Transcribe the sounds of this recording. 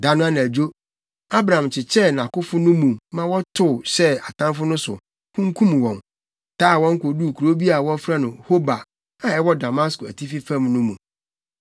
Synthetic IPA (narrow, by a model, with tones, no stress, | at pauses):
da˦nʊ̃˦ã˦nã˨d͡ʑo˦ | a˦bɾa˨ã˨mt͡ɕʰɪ˨t͡ɕʰɛ˦nã˨kʊ˦fʊ˦nʊ̃˦mũ˨mã˦wɔ˦tʰʊ˦˨ɕɛ˦a˨tʰã˦mfʊ˦nʊ̃˦sʊ̰˨ | kʰũ˦ŋ̩˦kʰũ˦mwɔ̃˨n | tʰaː˦˨wɔ̃˦ŋ̩˦ko˨du˦˨kʰu˨ɾo˦bi˦a˨wɔ̃˦fɾa˦nʊ̃˨ho˦ba˨ | ã˨ɛ˦wɔ˦da˨ma˦skʊ˨æ˨tʰi˦fi˦fã˦mnʊ̃˦mũ˨